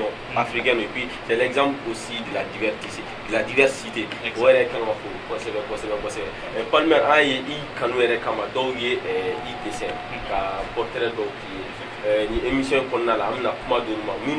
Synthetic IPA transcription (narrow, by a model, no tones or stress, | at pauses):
ɔ | afɾikɛ̃nuepwisɛlɛɡzãmplosidladivɛɾsisi | dladivɛɾsiteojɛɾɛkɛlɛ̃mãfokɔsɛbɛ̃kɔsɛbɛ̃bɔsɛbɛ | palimããjeʔikãnũjɛɾɛkãmadɔujeʔidesɛ̃ | kapɔɾtɛɾɛdɔutuje | nĩʔemisjɔ̃ekɔnɔnalaãbɛnakumadõnĩmãmĩ